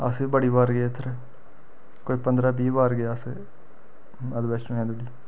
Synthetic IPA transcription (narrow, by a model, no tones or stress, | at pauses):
a̰ːsebɐɽibaːɾɡet̪ʰɾe | koːipɐnd̪ɾabiːbaːɾɡejaːse | ɐd̪bɛːsʈũɛ̃ːd̪uɽiː